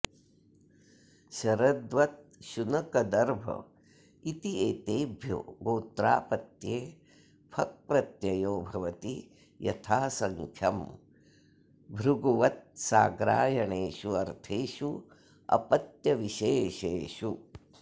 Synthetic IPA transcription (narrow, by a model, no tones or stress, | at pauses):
ʃɐɾɐd̪ʋɐt̪̚ʃunɐkɐd̪ɐɾbʱɐ̰ | it̪ieːt̪eːbʱjo̰ːɡoːt̪ɾaːpɐt̪jeː | pʰɐk̚pɾɐt̪jɐjoːbʱɐʋɐt̪i | jɐ̰t̪ʰaːsɐŋkʰjɐm | bʱɾuɡuʋɐt̪̚saːɡɾa̰ːjɐɳeːʃuɐɾt̪ʰeːʃu | ɐ̰pɐt̪jɐʋiʃeːʃeːʃu